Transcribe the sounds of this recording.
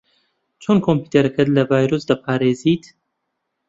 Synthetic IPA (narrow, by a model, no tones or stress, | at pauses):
t͡ʃʰonkʰompuːt̪ʰeɾɐkʰɐt̪lɐvaːjɾosd̪apʰaːɾeːziːt̪ʰ